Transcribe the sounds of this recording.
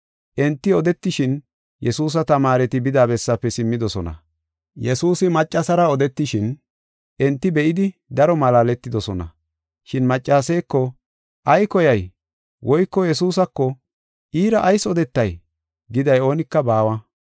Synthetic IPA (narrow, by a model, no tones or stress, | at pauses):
ʔɛnt̪ːɪɔd̪ɛt̪ːɪʃɪn | jɛsuːs̬ɐt̪ɐmaːɾɛt̪ɪbɪd̪aːbɛsːɐpːɛsɪmːɪd̪ɔsɔnɐ̰ | jɛsuːsɪmɐt͡ʃʼːɐsɐɾɐɔd̪ɛt̪ːɪʃɪn | ʔɛnt̪ːɪbɛʔɪd̪ɪd̪ɐɾɔmɐlaːlɛt̪ːɪd̪ɔsɔnɐ̰ | ʃɪnmɐt͡ʃʼːaːsɛjkːɔ | ʔɐjkɔjɐj | wʔɔjkːɔjɛsuːsɐkːɔ | ʔiːɾɐʔːjsɔd̪ɛt̪ːɐj | ɡɪd̪ɐjo̞ːnɪkːɐbaːwɐ